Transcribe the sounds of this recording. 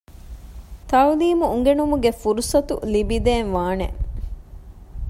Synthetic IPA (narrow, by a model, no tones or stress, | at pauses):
t̪ɐuliːmuuŋɡenumuɡefuɾusɐt̪ulibid̪eːnʋaːnḛ